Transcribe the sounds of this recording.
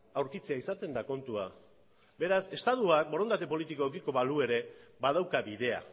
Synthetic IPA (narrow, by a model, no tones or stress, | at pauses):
awɾkit͡seaisat̪e̞nd̪ako̞nt̪ua | be̞ɾase̞st̪aðuak̚bo̞ɾo̞nd̪at̪̬e̞po̞lit̪ikoekiko̞βalue̞ɾe̞bað̞awkaβiðe̞a̰